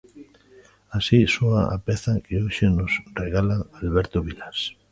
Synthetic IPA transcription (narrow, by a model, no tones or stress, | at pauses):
asisoaa̰peθakeoʃenosreɣalaalβɛɾt̪oβilas